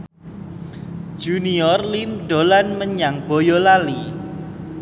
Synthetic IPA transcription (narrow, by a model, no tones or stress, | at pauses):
d͡ʒ̥uniɔrlimɖo̤lanməɲaŋb̥ɔjɔlali